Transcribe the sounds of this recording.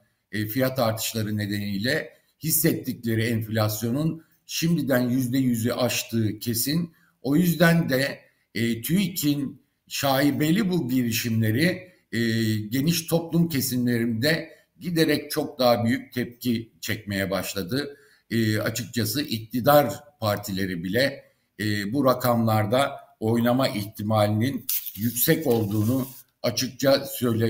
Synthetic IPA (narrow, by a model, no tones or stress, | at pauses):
fijat̪ʰaɾt̪ʰɯ̥ʃlˠaɾɯne̞d̪e̞nijlʲɛ | hisːɛt̪ʰːiclʲe̞ɾiɛnflʲasjo̞nun | ʃimd̪id̪ænjyzd̪ɛjyzyʔaʃt̪ʰɯːcʰe̞sin | o̞jyzd̪ænd̪ɛ | t̪ʰyjicʰin | ʃaːibelʲːibulˠɟiɾiʃimlʲe̞ɾi | ɟe̞niʃt̪ʰo̞plˠumcʰe̞sinlʲe̞ɾimd̪ɛ | ɟid̪e̞ɾɛc̚t͡ʃʰo̞k̚d̪aɦabyjyc̚t̪ʰɛp̚cit͡ʃʰɛcme̞jɛbaʃlˠad̪ɯ | a̰t͡ʃʰɯk̚t͡ʃʰasɯʔic̚t̪ʰid̪aɾpʰaɾt̪ʰilʲe̞ɾibilʲɛ | buɾakʰamlˠaɾd̪ao̞jnˠamaʔiçt̪ʰimaːlʲininjycʲsɛco̞lˠd̪uːnu | at͡ʃʰɯk̚t͡ʃʰasø̞jlʲe